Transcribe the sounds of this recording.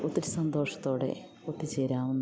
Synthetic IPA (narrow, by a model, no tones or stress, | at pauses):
ot̪ːiɾɨsɐnd̪o̞ːʂɐ̥t̪ːo̞ːɽe̞̰ | ot̪ːit͡ɕeːɾaːʋunː